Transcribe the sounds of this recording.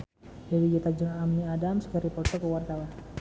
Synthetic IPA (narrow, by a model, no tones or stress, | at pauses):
hewid͡ʒɛt̪ad͡ʒɔŋamniadamskəɾipɔrt̪ɔkəwart̪awan